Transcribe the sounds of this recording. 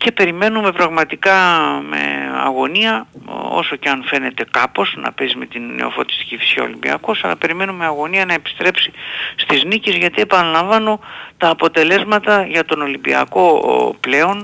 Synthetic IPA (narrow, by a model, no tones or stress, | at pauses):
ce̞pe̞ɾime̞nume̞pɾɐɣmɐt̪ikɐme̞̰ɐ̰ɣo̞niɐo̞̰so̞ceɐnfe̞ne̞t̪e̞kɐpo̞znɐ̰pe̞sime̞t̪inːe̞̰o̞̰fo̞t̪i̥st̪i̥cifi̥sço̰limbḭɐ̰ko̞sɐlɐ̰pe̞ɾime̞numeɐɣo̞niɐnɐe̞pi̥st̪ɾe̞psist̪iznicezʝɐt̪ie̞pɐnɐlɐɱvɐnot̪ɐːpo̞t̪e̞le̞zmɐt̪ɐʝɐt̪o̞no̞limbiɐ̰ko̞ple̞o̞n